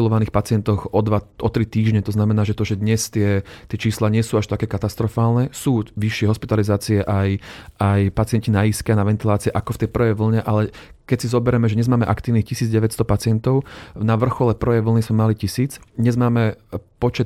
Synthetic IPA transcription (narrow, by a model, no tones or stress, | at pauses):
ilɔʋaniːxpat͡sɪɛnt̪ɔxɔd̪ʋaʔɔt̪ɾit̪iːʒɲɛt̪ɔznamɛnaːʒɛt̪ɔʒɛd̪ɲɛst̪ɪɛt̪ɪɛt͡ʃiːslaɲɪɛsuːaʃt̪akɛːkat̪ast̪ɾɔfaːlnɛsuːʋiʃɪɛɦɔspit̪alizaːt͡siɛʔajajpat͡sɪɛncinaiskɛanaʋɛnt̪ilaːt͡siɛʔakɔft̪ɛjpr̩ʋɛjʋl̩ɲɛʔalɛ | kɛcsizɔbɛɾɛmɛʒɛɲɛzmaːmɛʔakt̪iːʋnixcisiːd͡zɟɛʋɛcst̪ɔpat͡sɪɛnt̪ɔʊnaʋr̩xɔlɛpr̩ʋɛjʋl̩nizmɛmalicisiːt͡sɲɛzmaːmɛpɔt͡ʃɛt̪